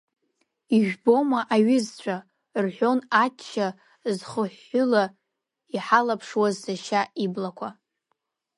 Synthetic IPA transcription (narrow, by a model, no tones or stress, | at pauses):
iʒᶣbo̞maʔaɥɪzt͡ɕʷʰa | rħʷo̞natʰt͡ʃʰːa | zχəħːʊla | iħalapʰʂwazsaʃaiblakʷʰa